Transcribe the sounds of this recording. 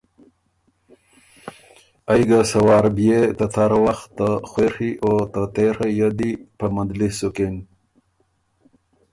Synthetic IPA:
ajɡasawɑɾbijet̪ət̪ʰaɾwaxt̪ːəxwexiʔot̪ət̪eɾajad̪ipəmad̪lisuken

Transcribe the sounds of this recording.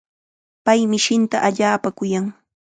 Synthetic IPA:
pajmɪʃɪnt̪a̰ʔaʎaːpakʊjaŋ

